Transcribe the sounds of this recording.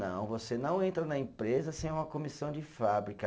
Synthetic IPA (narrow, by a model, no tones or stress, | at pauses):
nɐ̰̃w̃vosenɐ̃w̃ẽnt̪ɾɐnɐẽpɾezɐsẽj̃ũmɐkõmisɐ̃w̃d͡ʒɪffabɾikɐ